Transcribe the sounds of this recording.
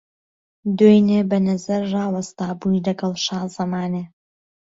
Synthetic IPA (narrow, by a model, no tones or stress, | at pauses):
d̪ojneːbɐnɐzɐɾrɑːwɐst̪aːbujlɐɡɐlˠʃɑːzɐmaːneː